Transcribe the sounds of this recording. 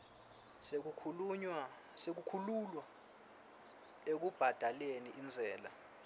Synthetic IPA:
sek̬ukʰululwa | ek̬ub̥ʱad̥ʱaleniʔind͡zʱɛːla̰

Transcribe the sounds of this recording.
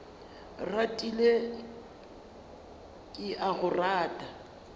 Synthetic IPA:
ratʼile | kʼɪʔaɣʊraːtʼa

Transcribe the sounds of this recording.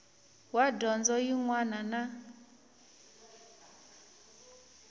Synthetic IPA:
wadɔnd͡zɔjiŋwanana

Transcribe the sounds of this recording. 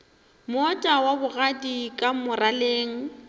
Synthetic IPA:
mɔtʼawabʊɣadikʼamʊrʔaleːŋ̩

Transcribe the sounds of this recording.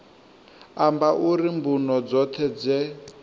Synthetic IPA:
ambaʔuɾimbunɔd͡zɔt̪ʰɛd͡zɛ

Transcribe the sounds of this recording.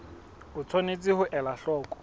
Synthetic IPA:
ʊt͡sʰonet͡sʼɪhʊʔɛlaɬɔːkʼɔ̥

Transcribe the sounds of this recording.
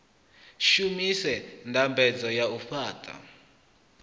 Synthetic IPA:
ʃumisɛntʼambʱɛd͡zɔjaufaːtʼa̰

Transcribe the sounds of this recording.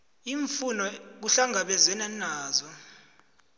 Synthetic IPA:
iɱfunɔk̬uɬaŋɡʱaɓɛzɛnanaːzɔ

